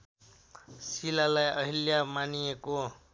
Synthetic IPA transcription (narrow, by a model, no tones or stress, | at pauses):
silalajʌɦiljamanijeko